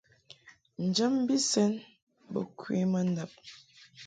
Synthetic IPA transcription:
n̩˨d͡ʒə˦mbi˦sɛ˦n | bə̰˨kwḭ˦mə˦n̩˦da˨p̚

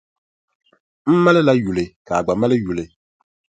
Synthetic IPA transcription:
m̩˦ma˦lɨ˦la˦ju˨lɨ˨ka˨ɡ͡ba˨ma˦lɨ˦ju˨lɨ˨

